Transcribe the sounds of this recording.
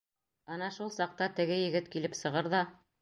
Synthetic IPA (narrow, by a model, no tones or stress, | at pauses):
ɑnɑʃulˠsɑq̚t̪ɑt̪ɘ̆ɡɘjɘ̆ɡɘt̪kilɘpsɤ̆ʁɤɾðɑ